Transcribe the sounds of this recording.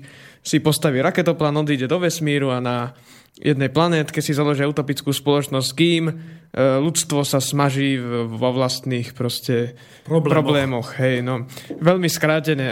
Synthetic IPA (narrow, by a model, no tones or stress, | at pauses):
sipɔst̪aʋiɾakɛt̪ɔplaːnɔd̪iːɟɛd̪ɔʋɛsmiːɾuana | jʔɛd̪nɛjplanɛːt̪kɛcsizalɔʒiaut̪ɔpit͡skuːspɔlɔt͡ʃnɔsckiːm | lut͡st̪ʋɔsasmaʒiːʋɔʋlast̪niːxpɾɔscɛ | pɾɔblɛːmɔxɦɛjnɔʋɛlmiskɾaːcɛɲɛ